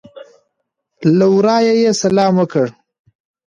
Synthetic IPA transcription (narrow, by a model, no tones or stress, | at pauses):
lawɾɑːjajesalɑːmwəkəɽ